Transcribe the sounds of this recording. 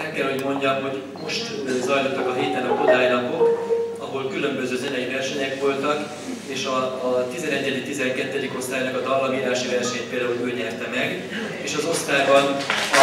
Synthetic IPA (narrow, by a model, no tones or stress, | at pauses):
ɛkːɛlho̞ɟmo̞ɲɟɒmɦo̞ɟ | mo̞ʃt̪zɒjlot̪ːɒkɒɦiːt̪ɛnɒko̞d̪aːjlɒpo̞kɒɦo̞lkylø̞mbøzøːzɛnɛjivɛrʃɛɲɛkʋo̞lt̪ɒk | eːʃɒt̪izɛnɛɟːɛd̪ikt̪izɛŋkɛt̪ːɛd̪iko̞st̪aːjnɒkɒd̪ɒlːɒɡiːɾaːʃivɛrʃɛɲt̪peːld̪aːuløːlɲɛrt̪ɛmɛɡ | eːʃɒzo̞st̪aːbɒn